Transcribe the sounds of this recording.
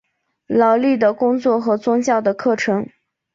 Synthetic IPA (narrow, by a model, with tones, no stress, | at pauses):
lɑ˨˩ʊli˥˩d̪ə˩kʊ˥ŋt͡swɔ˥˩xɤ˧˥t͡sʊ˥ŋt͡ɕjɑ˥˩ʊd̪ə˩kʰɤ˥˩ʈ͡ʂʰɤ˧˥ŋ